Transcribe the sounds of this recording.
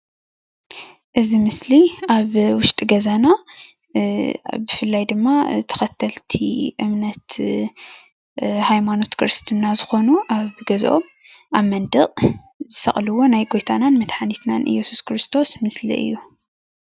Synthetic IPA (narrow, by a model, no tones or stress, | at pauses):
ʔɨzimɨsliaβwʊʃt̪ʼiɡɐzana | bɨfɨlːajd̪ɨmːat̪ʰɐ̥xɐt̪ʰːɐlt̪ʰiʔɨmnɐt̪ | hajmano̞t̪kʰɾɨst̪ʰɨnːazɨxo̞nuʔaβɡɐzʔo̰m | ʔaβmɐnd̪ɨʔʼ | zɨsɐ̰χʼlɨwo̞najɡo̞jt̪ʰananmɐt̪ħanit̪na̰nʔɨ̰jɛsuskʰɾɨst̪ʰo̞smɨslḭʔɨ̰jːu